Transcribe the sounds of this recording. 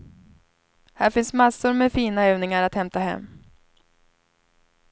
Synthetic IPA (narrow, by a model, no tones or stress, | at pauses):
hæːɾfɪnsmasːʊɾmɛfiːnaøːvnɪŋaɾat̪hɛmt̪aɦɛ̰mː